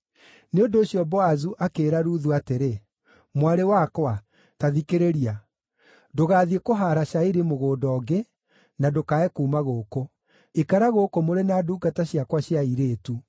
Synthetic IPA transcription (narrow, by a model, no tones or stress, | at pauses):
neondoːɕiɔbɔazuʔakeːɾaɾuðuateɾe | mwaɾewakwa | taðikeɾeɾia | doɣaːðiekoɦaɾaʃaiɾemoɣoːdɔːɡe | nadokaɛkuːmaɣoːko | ekaɾaɣoːkomoɾenaːduːɡataɕjakwaɕiaiɾeːtu